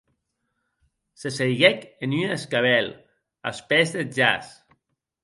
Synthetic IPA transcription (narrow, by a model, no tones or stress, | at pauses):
sesejɣɛkenyneskaβɛl | a̰spɛzðeʒa̰s